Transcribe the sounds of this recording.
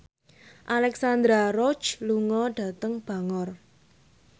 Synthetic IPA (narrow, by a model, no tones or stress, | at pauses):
ʔalɛksand̪ɾaɾɔ̥t͡ʃluŋɔɖ̥ä̤t̪əŋb̥a̤ŋɔr